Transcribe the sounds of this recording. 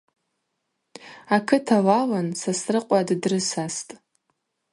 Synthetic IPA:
akʰɨtʰalalansasrɨqʷʼaddrɨsastʼ

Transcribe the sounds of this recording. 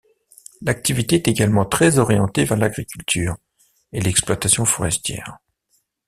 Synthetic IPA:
lak̚t̪ivit̪eɛt̪eɡalmɑ̃t̪χɛzɔʁjɑ̃t̪evɛʁlaɡʁikʲylt̪ʰyːʁ | elɛksplwat̪asjɔ̃fɔʁɛst̪jɛ̰ːʁ

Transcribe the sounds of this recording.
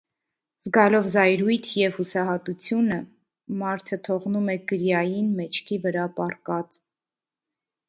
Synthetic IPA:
zɡɑlɔvzɑjɾujt̪ʰjɛv̥husɑɦɑt̪ut͡sʰjunə | mɑɾt̪ʰət̪ʰɔʁnumɛɡəɾjɑjinmɛt͡ʃʰkʰivəɾɑpɑrkɑt͡s

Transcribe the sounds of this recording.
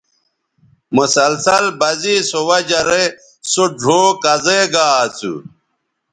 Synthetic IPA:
musɐlsɐlbɐzisowɐd͡ʑɐɾe | soɖʱoːkɐzeɡaːt͡sʰṵ

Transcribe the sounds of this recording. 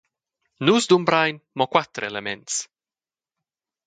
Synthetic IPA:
nusd̪umbɾajnmɔkwat̪ɾelement̪s

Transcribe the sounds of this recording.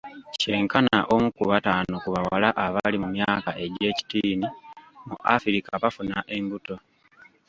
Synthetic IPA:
ce̞ːŋkanaʔo̞mukuβataːnokuβawalaʔaβalimumjaːkaʔe̞ɟe̞ːci̥tiːnimuʔa̰fiɾikaβafunaʔe̞ŋɡuto̞

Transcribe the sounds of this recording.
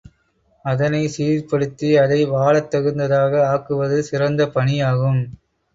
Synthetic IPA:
ɐðɐnɐɪsiːɾpɐɽɯt̪ːiɐðɐɪʋaːɭɐt̪ːɐɣɯnd̪ɐðaːɣɐaːkɯʋɐðɯsɪɾɐnd̪ɐpɐɳijaːɣɯm

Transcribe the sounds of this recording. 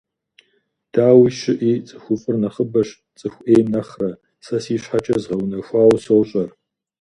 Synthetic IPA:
d̥aːwiʃɪʔiːt͡sʼɨxʷʊqʼʊrnɐχəbɐʂ | t͡sʼɨxʷʔeːjmnɐχrɐ | sɐsiːɕħat͡ʃʼɐzʁɐwnɐxʷaːwsowɕʼɐr

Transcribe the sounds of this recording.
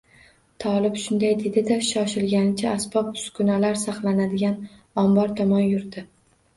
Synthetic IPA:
t̪ʰɒlˠɪbʃʊnd̪ajd̪ed̪ɪd̪aʃɒʃɪlɡʲanɪt͡ʃʰaːsbɒp̚ʊ̥skʊnalaɾsaχlˠanad̪ɪɡʲan | ɒmbɒɾt̪ʰɒmɒnjʊɾd̪ɪ

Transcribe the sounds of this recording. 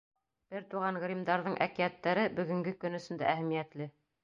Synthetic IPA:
b̥ɘɾt̪uʁɑɴʁɾʲimd̪ɑɾðɤɴʔæ̰kiæt̪ːæɾɘbɵ̆ɡɵ̆ŋɡɘkɵ̆nɵ̆sɵ̆nd̪æ̰ʔæhæmijæt̪lɘ

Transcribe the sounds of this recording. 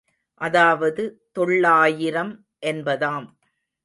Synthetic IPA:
ʔɐðaːʋɐðɯt̪ɔɭːaːjɪɾɐm | ʔɛnbɐðaːm

